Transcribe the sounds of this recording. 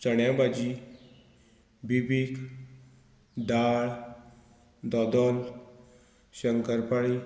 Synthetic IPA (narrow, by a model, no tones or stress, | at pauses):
t͡səɳjabad͡ʑi | bibik | d̪aɭ | d̪ɔd̪ɔl | ɕəŋkəɾpaɭi